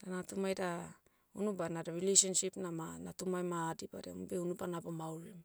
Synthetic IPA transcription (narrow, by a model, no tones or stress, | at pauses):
danatumajda | unubanadaɾilejsonsipnamanatumajmaːdiba̰ɾembe̞unubanabomawlem